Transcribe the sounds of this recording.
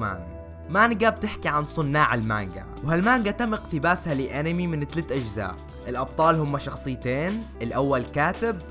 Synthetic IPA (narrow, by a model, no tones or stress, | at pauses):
a̰ːn | manɡab̚t̪ɪħkiʕansˤʊnːaːʕɪlma̰ŋɡa̰ | whalmaːŋɡat̪amːʔɪqt̪ɪbaːshaliʔanɪmimɪnɪt̪alaːt̪ʔad͡ʒza̰ːʔ | ʔɪlʔɑb̚t̪ˤɑːlhʊmːaʃɑxsˤɨjːt̪eːnʔɪlʔawːalkaːt̪ɪb̚